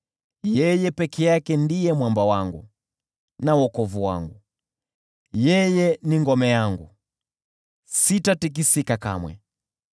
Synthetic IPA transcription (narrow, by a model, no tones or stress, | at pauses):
jɛjɛpɛkʰɛjakɛndijɛmwambawaŋɡu | nawɔkɔvuwa̰ŋɡu | jɛjɛniŋɡɔmɛjaŋɡu | sitatik̬isikaka̰mwɛ̰